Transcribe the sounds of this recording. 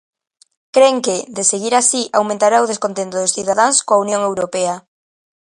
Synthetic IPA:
kɾeŋkɪd̪eseɣiɾasiʔawmẽnt̪aɾaʊð̞eskont̪ent̪ʊðʊsθiðaðaŋskoaunjoŋewɾopɛa

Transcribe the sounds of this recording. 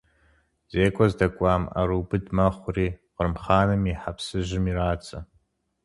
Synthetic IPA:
z̥eːkʷʼɔzdɐkʷʼaːma̰ɾuːbɨdmɐχʷʊriːqərmχaːnɨmiħapʰsɨʒɪmiɾaːt͡sʼɐ

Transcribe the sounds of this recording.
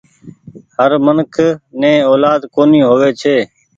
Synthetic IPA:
həɾmənkʰnẽːoːlaːd̪koːniːɦoːʋeːt͡ʃʰeː

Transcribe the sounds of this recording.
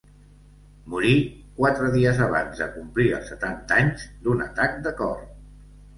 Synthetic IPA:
muɾikwat̪ɾəðiəzəβ̞a̰nzə̰kumpliə̰lˠsːət̪ant̪aɲzd̪unə̰t̪ak̚d̪əkɔr

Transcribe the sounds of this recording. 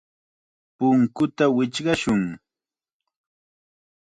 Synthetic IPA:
pʊŋkʊt̪awɪt͡ʃɢɑʃʊŋ

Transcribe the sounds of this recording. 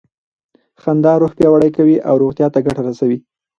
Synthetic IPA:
xand̪ɑɾoxpjɑwaɽajkawiʔawɾoɣt̪jɑt̪aɡaʈaɾasawi

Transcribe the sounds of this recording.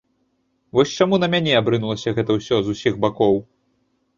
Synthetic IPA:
vɔsʲt͡ʂamunɐmʲanʲɛabɾɨnulˠɐsʲɐɣɛt̪ɐwsʲɔzusʲiɣbakɔw

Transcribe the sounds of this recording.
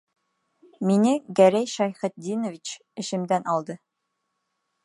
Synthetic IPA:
minɘɡæɾæjʃɑjχɘ̆t̪̚d̪ʲinŏvʲit͡ɕ | ɘ̆ʃɘ̆md̪ænʔɒlˠd̪ɤ

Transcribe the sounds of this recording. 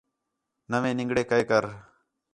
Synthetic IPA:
nəʋẽːnɪ̃ŋɡɽeːkəekəɾ

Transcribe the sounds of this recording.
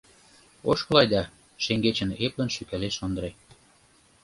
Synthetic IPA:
oʃkɤ̆lɑjd̪ɑ | ʃeŋɡet͡ɕə̆neplə̆nʃykæleʃond̪ɾe

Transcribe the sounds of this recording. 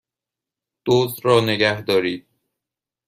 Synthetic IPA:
d̪̥oːzd̪ɾɒːneɡæhd̪ɒːɾiːd̪̚

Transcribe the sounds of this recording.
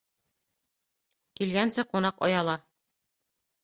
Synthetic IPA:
kilɡænsɘqunɑqɒ̰jɑlˠɑ

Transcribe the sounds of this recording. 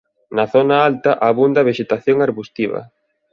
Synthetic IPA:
nɐθonɐalt̪ɐʔaβund̪ɐβ̞eʃet̪aθjoŋaɾβust̪iβɐ̰

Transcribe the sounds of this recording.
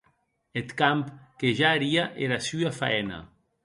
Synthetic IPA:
et̪kampkeʒaːɾiaʔeɾasyafa̰ɛna̰

